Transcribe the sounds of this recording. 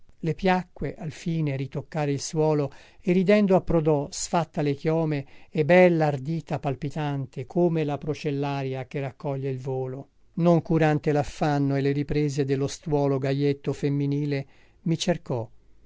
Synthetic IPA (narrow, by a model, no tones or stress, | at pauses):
lepjakːweʔalfiːneɾit̪okːaːɾeilswɔːlo | erid̪ɛnd̪oapːɾod̪ɔsfat̪ːalekjɔːmeebɛlːaːrd̪iːt̪apalpit̪ant̪ʰekʰoːmelapɾot͡ʃelːaːɾjak̟erakːɔʎːeilvoːlo | noŋkuɾant̪elafːanːoeleɾipɾeːzed̪elːost̪wɔːloɡajet̪ːofemːiniːle | mit͡ʃerkɔ